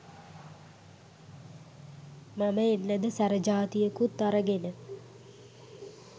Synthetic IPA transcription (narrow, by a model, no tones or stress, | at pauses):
maməenːəd̪əsæɾəd͡ʒaːt̪ijəkut̪ːaɾəɡenə